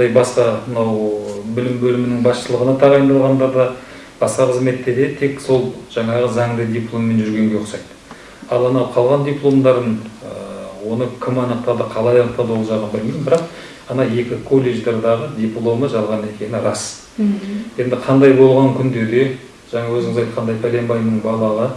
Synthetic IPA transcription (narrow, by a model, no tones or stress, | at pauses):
ɑjbɑsqɑmənɑwbɪlɪmbɵlɪmɪnɪŋbɑsʃəlˠəʁənɑt̪ʰɑʁɑjnd̪ɑlˠʁɑnd̪ɑɾd̪ɑ | b̥ɑsqɑqʰəzme̞t̪ːe̞ɾd̪et̪ʰe̞kso̞lˠʒ̥ɑɴɑʁəzɑŋd̪əd̪ʲijplˠo̞mːe̞nʒʏɾɡʲe̞ŋɡʲe̞osɑjd̪ə | ɑlˠɑnɑwqʰɑlˠʁɑnd̪ʲiplˠo̞md̪ɑɾənəwo̞nəkʲʰɪmɑnəq̚t̪ɑd̪əqʰɑlˠɑjɑnəq̚t̪ɑd̪əwo̞lˠʒɑʁənbɪlmemɪnbɪɾɑq | ɑnɑe̞kʲɪkʰo̞lʲːeʒd̪eɾd̪ɑʁəd̪ʲijplˠo̞məʒɑlˠʁɑne̞kʲʰe̞nɪɾɑs | je̞nd̪ɪqʰɑnd̪ɑjbo̞lˠʁɑŋkʲʰʏnd̪e̞d̪e̞ | ʒ̥ɑɴɑwɵzɪŋɪzɑjt̪qʰɑnd̪ɑjpʰæle̞mbɑjmnəɴbɑlˠɑʁə